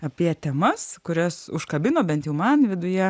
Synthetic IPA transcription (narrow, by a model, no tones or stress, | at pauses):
ɐpʲiɛt̪ʲɛmɐskʊɾʲɛsʊʃkɐbʲɪnoːbʲɛnt̪jɛʊmɐnʋʲɪd̪ʊjɛ